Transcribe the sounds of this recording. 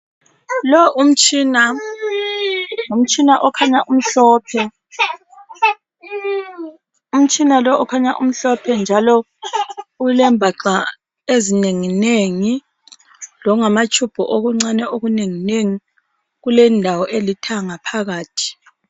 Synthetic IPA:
lɔʔum̩t͡ʃʼina | ŋum̩t͡ʃʰʼinaʔɔkʰaɲaʔum̩ɬɔːpʰɛ | um̩t͡ʃʼinalɔɔkʰaɲaʔṵm̩ɬɔpʰɛnd͡ʒʱalɔ | ulɛmbʱaǁa | ezineŋineŋi | lɔŋamat͡ʃʼʰub̥ʱɔʔoɣuŋ͡ǀanɛoɣuneŋineŋi | ɣulɛndʱawɔʔelitʰaŋapʰaɣaːtʰi̥

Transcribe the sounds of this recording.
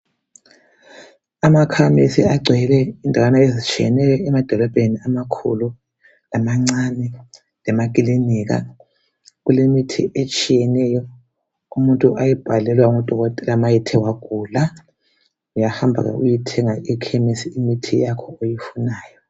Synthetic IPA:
amakʰamisiaɡ͡ǀʱɛlɛindʱawanaezit͡ʃʼijɛ̰nɛjɔɛmad̥ʱɔlɔb̥ʱeniamakʰṵlu | lamaŋ͡ǀanɛ | lɛmak̬ʼiliniɣ̬a̰ | ɣulemitʰḭʔet͡ʃʼijɛnɛjɔ | umuntʼuʔajib̥ʱalɛlwauŋɔd̥ʱɔɣɔtʼɛlamajitʰɛwaɡ̥ʱula | ujahambʱa̰ɣa̰ṵjitʰɛŋaʔikʰɛmisiːmitʰijakʰɔojifunaːjɔ

